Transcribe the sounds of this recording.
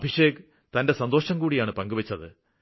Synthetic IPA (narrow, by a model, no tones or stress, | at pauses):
ɐbʱiʂeːk | t̪ɐnde̞sɐnd̪oːʂɐmkuːɽijaːɳɨpɐŋɡuʋɐt͡ɕːɐðɨ̰